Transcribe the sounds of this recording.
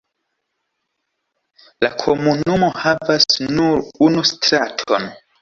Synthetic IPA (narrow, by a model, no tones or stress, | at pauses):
lakʰomunumo̞havasnuɾunustɾatʰo̰n